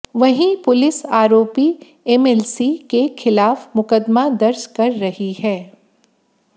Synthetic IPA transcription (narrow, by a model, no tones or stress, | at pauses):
ʋɐɦĩpʊlɪsaːɾoːpi | ɛmɛlsikexʰɪlaːfmʊkəd̪mad̪ɐɾd͡ʒkɐɾːɐhihɛː